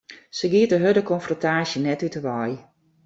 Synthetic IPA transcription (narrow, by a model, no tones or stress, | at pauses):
səɡiətəɦødəkɔnfrontaːsjənɛtytəʋɔj